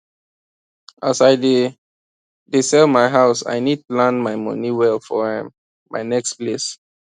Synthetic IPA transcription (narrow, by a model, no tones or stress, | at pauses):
ʔasaɪde | disɛlmaɪɦaʊsa̰ɪnid̚tulãnmaɪmɔ̰niwɛlfɔhɛ̰̃m | ma̰ɪnɛksples